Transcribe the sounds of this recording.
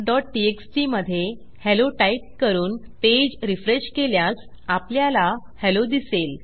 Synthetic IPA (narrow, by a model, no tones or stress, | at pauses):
ɖɔʈ̚ʈieksʈiməd̪ʱːje | heloʈaiʈ̚kəɾuːnped͡ʑɾifɾeɕkeljas | apljala | helod̪isel